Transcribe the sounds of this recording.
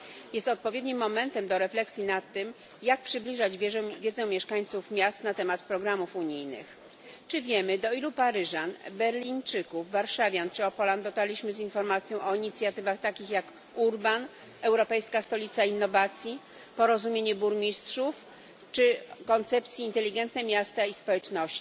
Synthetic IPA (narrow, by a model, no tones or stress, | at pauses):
jɛst̪ɔt̪̚pɔvʲjed̪ɲimːɔmɛnt̪ɛmd̪ɔɾɛflɛksʲjinat̪ːɘm | jak̚pʂɘblʲiʐad͡ʑvʲjɛd̪zɛ̃mʲjɛʂkaɲt̪sufmʲjast̪nat̪ɛmat̪pɾɔɡɾamufuɲijnɘ̰x | t͡ʂɘvʲjɛmɘd̪ɔilupaɾɘʐanbɛɾlʲiɲt͡ʂɘkuvːaɾʂavʲjant͡ʂɘɔpɔland̪ɔt̪alʲiɕmɘzinfɔɾmat̪sʲjɔ̃w̃ʔɔiɲit̪sʲjat̪ɘvaxt̪akʲixjak | uɾban | ɛwɾɔpɛjskast̪ɔlʲit̪sainːɔvat̪sʲji | pɔɾɔzumʲjeɲɛbuɾmʲistʂuf | t͡ʂɘkɔnt̪sɛp̚t̪sʲiːnt̪ɛlʲiɡɛnt̪nɛmʲjast̪aispɔwɛt͡ʂnɔɕt͡ɕi